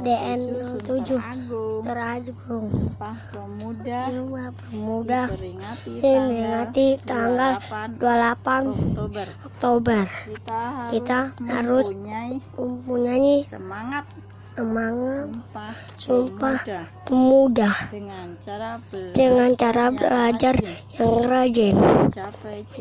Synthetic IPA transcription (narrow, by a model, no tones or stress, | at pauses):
deʔɛnɔmt̪ud͡ʒʊht̪əɾad͡ʒ | ʊŋ | d͡ʒapəmudah | əmɾiŋat̪it̪aŋɡaldualapan | ɔk̚t̪obər | kit̪ahaɾʊspəmpuɲaɲɛ | əmaŋa | sumpahpəmudah | d͡ʒəŋant͡ʃaɾablad͡ʒarjaŋkəɾad͡ʒɛn